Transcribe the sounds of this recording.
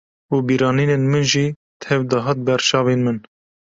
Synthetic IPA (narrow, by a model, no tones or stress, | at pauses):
uːbiːɾɑːniːneːnmɨnʒiː | t̪hɛvd̪ɨɦɑːt̪̚bɛɾt͡ʃɑːveːnmɨn